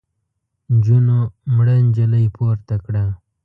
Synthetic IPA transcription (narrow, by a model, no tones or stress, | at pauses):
nd͡ʒunomɽənʲd͡ʒələjpoːɾt̪akɽa